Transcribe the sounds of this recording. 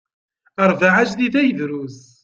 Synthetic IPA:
əɾˤvaʕat͡ʃðiθæjəðɾuz

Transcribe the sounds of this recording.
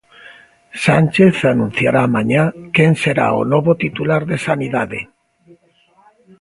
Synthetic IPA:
sanʲt͡ʃeθanũn̟θja̰ɾamãɲakenseɾa̰o̰noβot̪it̪ulaɾðesaniðaðe

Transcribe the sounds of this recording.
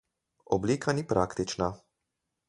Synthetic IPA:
ɔbliːkʰanipɾʔaːkt̪it͡ʃna

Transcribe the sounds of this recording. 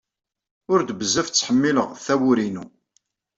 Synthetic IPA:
ʊɾd̪bəzːæft͡sːħəmːiləʁθæwʊɾinu

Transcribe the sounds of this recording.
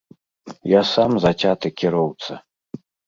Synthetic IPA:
jasamzat͡sʲat̪ɨkʲiɾɔwt̪sɐ

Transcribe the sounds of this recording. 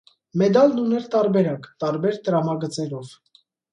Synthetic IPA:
mɛd̪ɑlnunɛɾt̪ɑɾbɛɾɑkt̪ɑɾbɛɾt̪əɾɑmɑɡət͡sɛɾɔv

